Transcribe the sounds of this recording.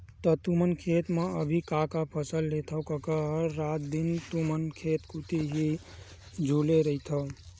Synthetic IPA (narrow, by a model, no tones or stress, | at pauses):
t̪ət̪umənkʰet̪meəbʱikakapʰəsəlːet̪ʰəkəkəɦəɾat̪̚d̪int̪umənkʰet̪kut̪iɦi | d͡ʒʱuleɾəɦit̪ʰə